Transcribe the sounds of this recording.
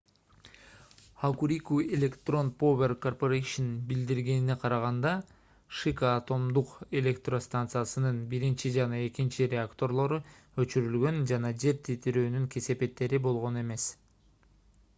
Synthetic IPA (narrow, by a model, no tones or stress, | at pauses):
akuɾʲikuelʲe̞kt̪ro̞npovʲe̞rko̞rpoɾeʃenbild̪iɾɡe̞nineqʰɑɾɑʁɑnd̪ɑ | ʃikaːt̪o̞md̪uqe̞lʲe̞kt̪ro̞st̪ant̪sɨjasɯnɯnbiɾint͡ʃid͡ʒɑnɑe̞kint͡ʃiɾʲeakt̪o̞rlˠo̞ɾu | ø̞t͡ʃyɾylɡø̞nd͡ʒɑnɑd͡ʒe̞ɾt̪ʰit̪ʰiɾøːnyŋkʰe̞se̞pe̞t̪ːe̞ɾibo̞lˠʁo̞ne̞me̞s